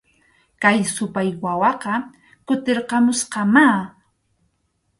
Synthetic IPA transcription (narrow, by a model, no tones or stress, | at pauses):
kajsʊpajwawɑqɑ | kʊt̪eɾqɑmʊsqɑma